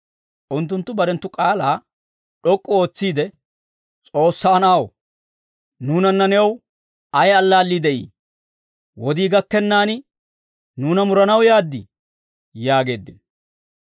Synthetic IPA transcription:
ʔʊnt̪ːʊnt̪ːʊbɐɾɛnt̪ːʊkʼaːlaː | ɗɔkʼːɔo̞ːt͡sːiːd̪ɛ | t͡sʼo̞ːsːaːnaːw | nuːnɐnːɐnɛw | ɐjɐlːaːlːid̪ɛʔḭː | wɔd̪iːɡɐkːɛnːaːnɪ | nuːnɐmʊɾɐnɐwjaːd̪ːɪ | jaːɡe̞ːd̪ːɪn

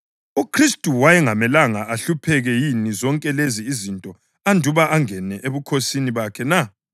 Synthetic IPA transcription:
ukʰristʼuwajɛŋamɛlaŋaʔːɬupʰɛɣɛjinizɔŋkʼɛleziːzintʼɔ | andʱuβaʔaŋɛnɛʔeβukʰosiniβakʰɛna

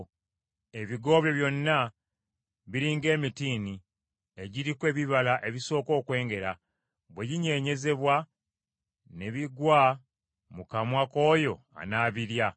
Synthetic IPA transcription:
e̞βiɡo̞ːβjo̞βjo̞nːa | βiɾiːŋɡe̞ːmitiːni | e̞ɟiɾikwe̞βiβalaʔe̞βiso̞ːko̞ːkwe̞ːŋɡe̞ɾa | βwe̞ɟiɲe̞ɲe̞ze̞βwa | ne̞βiɡwa | mukamwako̞ːjo̞ | a̰naːβiɾja

